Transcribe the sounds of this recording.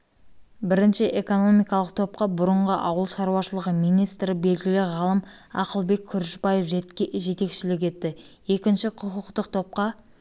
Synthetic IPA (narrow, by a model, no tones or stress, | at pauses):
bɪɾɪnʃɪʔe̞ko̞no̞mijkɑlˠəq̚t̪ʰo̞p̚qɑbʊɾəɴʁəʔɑwəlˠʃɑɾuwɑʃəlˠəʁəmijnijst̪ɾɪbe̞lɡʲɪlɪʁɑlˠəm | ɑ̰qəlˠbe̞kʲʰːʏɾʃɪbɑje̞fʲʒe̞t̪e̞kʃɪlɪk̬ʲe̞t̪ːɪ | e̞kʲɪnʃɪqʰʊqʊqt̪əq̚t̪ʰo̞p̚qɑ